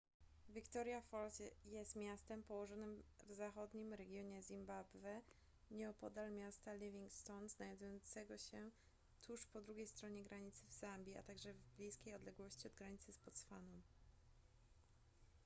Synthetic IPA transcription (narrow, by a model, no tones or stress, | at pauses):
vʲikt̪ɔɾjafɔlt̪jɛst̪mʲjast̪ɛmpɔwɔʐɔnɘmvzaxɔd̪ɲimɾɛɡʲjɔɲɛzʲimbabvɛ | ɲɛɔpɔd̪almʲjast̪alʲivʲiŋkst̪ɔnznajd̪ujɔnt̪sɛɡɔɕɛ | t̪ʰuʂpɔd̪ɾuɡʲejst̪ɾɔɲɛɡɾʔaɲit̪sɘvzambʲia̰t̪aɡʐɛvblʲijskʲejɔd̪lɛɡwɔɕt͡ɕiɔd̪̚ɡɾaɲit̪sɘspɔt̪sfanɔ